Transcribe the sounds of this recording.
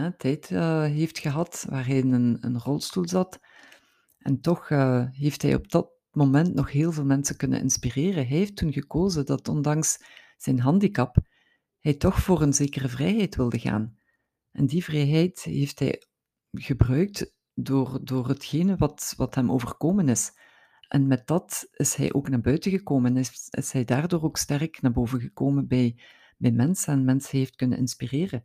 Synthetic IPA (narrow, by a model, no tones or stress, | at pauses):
ɛtʰɛjtəɦeftxəɦɑtʋa̰ːɹɦɛjɪnənə̰nrɔlˠstulˠzɑt | ʔɛntɔxəɦeftɦɛ̰jɔ̰b̚d̥ɑt̚ | moːmɛntnɔxɦeːlˠveːlˠmɛnsəkɵnə̰nʔɪ̰nspireːrəɦɛjeftunɣəkoːzədɑtɔndɑŋs | z̥ɛjnɦɑndikɑp | hɛjtɔxfoːrənzeːkərəvrɛjɦɛjtʋɪlˠdəɣa̰ːn | ʔɛ̰ndivrɛjɦɛjtɦeftɦɛ̰j | ɣəbrœɥk̚t | doːrdoːrɦətxeːnəʋɑtʋɑtɦɛmoːvərkoːmənɪs | ʔɛnmɛt̚d̥ɑtɪsɦɛ̰jʔo̰ːknaːɹbœɥtəɣəkoːmənɪ̰shɛjdaːrdoːroːkstɛrknaːɹboːvənɣəkoːmənbɛj | bɛjmɛnsənmɛnsənɦeːftkɵnə̰nɪ̰nspireːrə